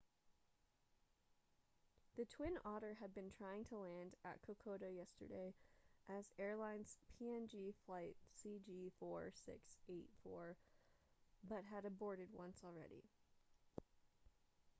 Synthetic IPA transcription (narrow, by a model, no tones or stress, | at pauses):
ðɨtʰw̥ɪ̃nɔɾə˞ɨd̚bɨ̃ntʰɹ̥aɪɪ̃ŋtʰəlæ̃ndɨ̰t̚kʰəkʰoʊɾoʊjɛstə̰˞deɪʔɨzɛɹlãɪ̃nz̥pʰiɛ̃nd͡ʒiflaɪt̚sid͡ʒifɔɹsɪ̰kseɪtfɔɹ | bʌt̚ɦɨɾɨbɔɹɾɨd̚wʌ̃nsl̩ˠɹɛ̰ɾḭ